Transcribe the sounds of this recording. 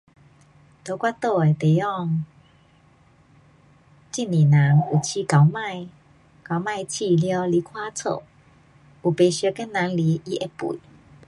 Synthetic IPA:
t̪o˨˧˦kwa˦˥t̪o˥˧e˨˩t̪e˨˩ɔ˥˧ŋ | t͡ɕi˥˧˨nnĩ˨˩na˨˦ŋu˨˩t͡ɕʰi˧˦ka˨˦wmã˥˧˨j | ka˨˧˦wmã˥˧˨jt͡ɕʰi˧ljɔ˧˦li˧˦kʰwa˦t͡sʰo̰˥˧˨ | u˨˩pe˨˩ɕə˧˦kɛ˦nnã˨˧˦nli˨˦ʔi˦ʔe˧pṵ˨i˨˦

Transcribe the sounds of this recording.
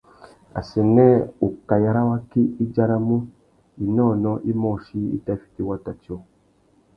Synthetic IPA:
a̰˨sɛ˨nɛ˦u˨ka˨ja˨ɾa˦wa˦ki˦i˦d͡ʒa˦ɾa˦mũ˦ | i˨nɔː˦˨nɔ̃˦ʔi˦mɔ˦˨ʃi˦ḭ˦ta˦fi̥˨ti˦wa˦ta˨t͡ʃi˨˦ɔ˨

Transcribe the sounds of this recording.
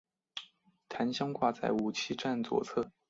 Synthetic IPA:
t̪ʰa˧˥nɕjɑ˥ŋkwa˥˧t͡sa˥˩ɪu˨˩t͡ɕʰi˥ʈ͡ʂa˥˩nt͡swɔ̰˨˩t͡sʰɤ˥˩

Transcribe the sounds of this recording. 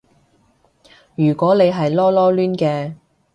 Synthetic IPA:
jyː˨˩kʷɔː˨˥ne˨˧jɦɐ˨jlɔː˥lɔː˥lyː˥nkɛː˧

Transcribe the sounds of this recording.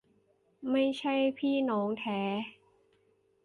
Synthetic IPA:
ma˥˩jt͡ɕʰa˥˩jpʰiː˥˩nɔː˩˦˥ŋt̪ʰɛː˩˦

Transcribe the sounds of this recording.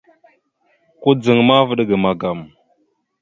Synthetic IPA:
ku˦d͡zə˨ŋma˦və˦ɗɡə˨ma˨ɡa˨m

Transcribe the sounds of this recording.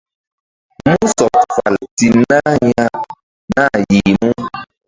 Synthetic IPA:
mu˦sɔ˨tfa̰˨lti˨na˦ɲa˦ | na˦˨ji˨mu˦

